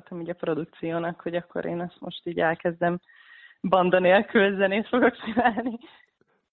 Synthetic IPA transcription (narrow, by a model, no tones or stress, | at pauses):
t̪ɛmiːɟɒpro̞d̪uk̚t̪sijoːnɒkho̞ɟɒkːo̞̰ɾʔḛːnɛst̪mo̞ʃt̪iːɟɛlkɛzd̪ɛm | bɒnd̪ɒneːlkyzːɛneːʃfo̞ɡo̞ksinaːlni